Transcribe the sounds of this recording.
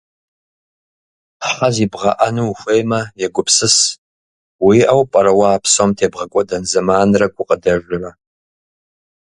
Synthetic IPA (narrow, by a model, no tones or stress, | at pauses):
ħazibʁɐʔanuːxʷejmɐjɛɡʷʊpʰsɨs | wiʔɐwpʼɐɾɐwaːpʰsomtʰeːbʁɐkʷʼɔdɐnzɐmaːnrɐɡʷʼʊqʼədɐʒʷʊrɐ